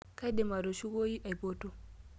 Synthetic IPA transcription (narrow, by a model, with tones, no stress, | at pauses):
ka˦jde˨ma˨do˨ʃi˦ɡoː˦ji˦ʔa˨jbo˦to˦